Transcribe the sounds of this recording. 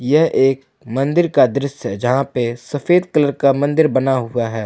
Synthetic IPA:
jɛɦeːk | mɐ̃nd̪ɪɾkad̪ɾɪsɦɛd͡ʒɐɦãpesɐfeːd̪kələɾkamɐ̃nd̪ɪɾbɐnaɦʊaɦɛː

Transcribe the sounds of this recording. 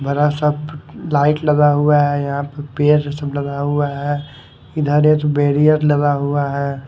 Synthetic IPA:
bɐɾasɐblaːɪʈlɐɡaɦuaɦɛjɐɦãpɐɾpeːɾsəblɐɡaɦuaɦɛ | ɪd̪ʱəɾẽt̪obeːɾijəɾlɐɡaɦuaɦɛː

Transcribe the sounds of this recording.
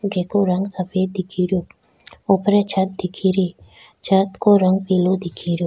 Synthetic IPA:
ɡeːkoɾɐŋɡsɐpʰeːd̪ɪkʰiɾjoː | ʊpɾet͡ʃʰɐt̪̚d̪ɪkʰiɾiː | t͡ʃʰɐt̪koɾɐŋɡpiːlod̪ɪkʰiɾjoː

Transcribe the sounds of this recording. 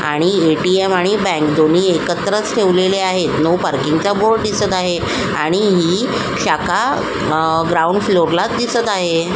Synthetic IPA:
a̰ɽ̃ieʈiemaɽ̃ibɛ̃ŋkd̪on̤iːekət̪ɾət͡sʈʰeʋleleaɦet̪nowpəɾkiŋɡt͡saboɭɖ̚d̪isət̪aɦe | aɽ̃iɦiː | ɕaka | ɡɾauɳɖfloɾlat̪d̪isət̪aɦe

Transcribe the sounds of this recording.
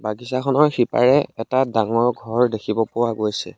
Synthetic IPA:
baɡisakʰɔnɔɹxipa̰ɹɛɛtadaŋɔɹɡʱɔɹdekʰibɔpʊwaɡojsɛ̰

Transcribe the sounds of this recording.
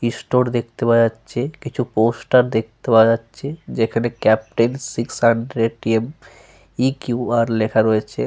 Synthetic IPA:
isʈoɾd̪ek̚ʰt̪ebad͡ʑatːʃʰekit͡ɕʰuposʈaɾd̪ek̚ʰt̪ebad͡ʑatːɕʰed͡ʑekʰanekɛp̚ʈensiksɦaɳɖɾeʈiem | ikjuaɾlekʰaɾoet͡ɕʰe

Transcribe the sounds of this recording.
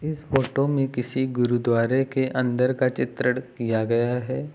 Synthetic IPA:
ɪsfoːʈomẽkɪsiɡʊɾud̪ʋaːɾekeʔɐ̃nd̪əɾkat͡ʃɪt̪ɾəɽ̃kijaɡɐjaɦɛː

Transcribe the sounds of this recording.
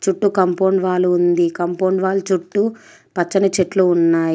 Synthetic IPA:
t͡ʃuʈːukɐmpoːɳɖʋaːluːnd̪ikɐmpoːɳɖʋaːlut͡ʃuʈːu | pɐt͡ʃːɐnɐt͡ʃeʈluunːaːji

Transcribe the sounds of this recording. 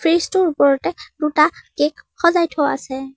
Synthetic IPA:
pʰɹistɔɹupɔɹɔtɛd̥utakekxɔzajtʰɔa̰sɛ

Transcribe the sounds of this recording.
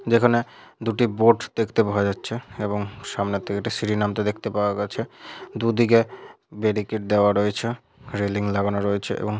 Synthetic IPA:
d͡ʑekʰaned̪uʈiboʈd̪̥ekʰt̪epaed͡ʑatːɕʰeeboŋʃamnet̪ʰːekeʈisiɖinamt̪ed̪ekʰt̪epaoaɡaet͡ɕʰed̪ud̪ike | beɾikeʈ̚d̪eoaɾoet͡ɕʰe | ɾeliŋlaɡanaɾoet͡ɕʰeʔḛboŋ

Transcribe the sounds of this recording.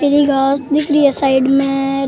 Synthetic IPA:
eːɾiɡaːsd̪ɪkɾiesaːɪɖmẽɾ

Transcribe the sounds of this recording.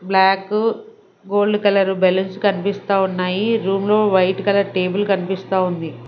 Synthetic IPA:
blaːkː | ɡo̞ːlɖkɐlɐɾubɛlɐnskɐnipist̪aːunːaːjiɾuːmlo̞ːʋɐjʈkɐlɐɾʈe̞ːbulkɐnipist̪aːund̪i

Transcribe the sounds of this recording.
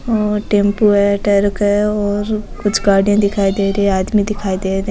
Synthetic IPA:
oːʈẽːmpuɛʈəɾkɛɔːɾkʊt͡ʃʰɡaːɽijãd̪ɪkʰaːid̪eːɾeaːd̪mĩd̪ɪkʰaːid̪eːɾe

